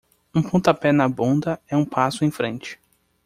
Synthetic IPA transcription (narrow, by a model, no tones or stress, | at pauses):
ũpõt̪ɐpɛnɐbõnd̪ɐɛũpʰasʊẽj̃fɾẽnt͡ʃɪ̥